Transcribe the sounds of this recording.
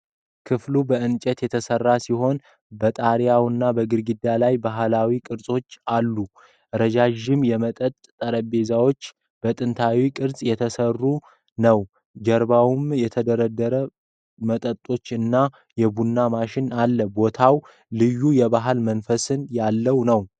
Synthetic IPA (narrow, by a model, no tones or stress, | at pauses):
kʰɨflubəɨnt͡ʃʼət̪jɛt̪ʰəsərːasiɦo̞n | bət̪ʼaɾjawɨnːabəɡɨɾɡɨd̪alajbaɦlawikʼɨɾsʼo̞t͡ʃːalːu | ɾəd͡ʒaʒɪmjɛmət̪ʼət̪ʼt̪ʼəɾəbe̞zawo̞t͡ʃː | b̥ət̪ʼɨnt̪ʰawikʼɨɾsʼjɛt̪ʰəsərːu | nəw | d͡ʒəɾbawumjɛt̪ʰəd̪əɾəd̪ːəɾə | mət̪ʼət̪ʼːo̞t͡ʃːɨnːa | jɛbunːamaʃɪnalːəbo̞t̪ʰaw | lɨjːujɛbaɦalmənfəsɨnjalːəwnəw